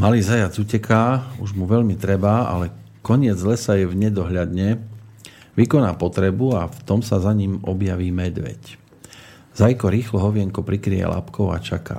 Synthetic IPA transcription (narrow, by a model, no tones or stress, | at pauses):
maliːzajad͡zuːcɛkʰaːuʒmuʋɛʎmit̪ɾɛbaa̰lɛ | kɔɲɪɛd͡zlɛsajɛvɲɛd̪ɔɦʎad̪ɲɛ | ʋikɔnaːpɔt̪ɾɛbuaft̪ɔmsazaɲimɔbjaʋiːmɛd̪ʋɛ̰c | z̥ajkɔɾiːxlɔɦɔʋɪɛŋkɔpɾikɾijɛ̰la̰pkɔʊa̰t͡ʃaka̰ː